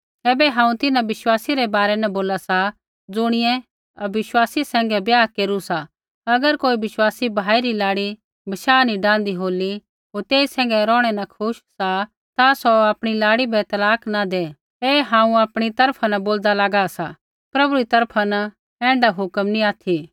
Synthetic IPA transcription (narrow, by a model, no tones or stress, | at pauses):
ɛːbɛɦãːũt̪ɪnãʋɪʃwaːsiɾɛbaːɾɛnɐboːlasa | d͡zʊɽ̃ɪjɛ̃ | ɐbɪʃwaːsisɛ̃ːŋɡɛbjaːkeːɾusa | ɐɡəɾkoːibɪʃwaːsibʱaːiɾilaːɽi | bɐʃaːnĩɖãːn̆d̪iɦoːli | ɦoːɾt̪eːisɛ̃ːŋ̆ɡɛɾɔːɽ̃ɛnakʰʊʃsa | t̪asɔaːpɽ̃ilaːɽibʱɛt̪ɐlaːknad̪eː | eːɦãːũaːpɽ̃it̪ɐɾpʰanɐboːld̪alaːɡasa | pɾɐbuɾit̪ɐɾpʰana | ɛ̃ːɳɖaɦʊkəmnĩaːt̪ʰi